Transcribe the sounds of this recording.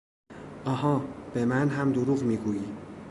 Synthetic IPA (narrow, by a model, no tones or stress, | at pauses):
ʔɒːɦɒːb̥emænɦæmd̪oɾuːɣmiːɡuːjiː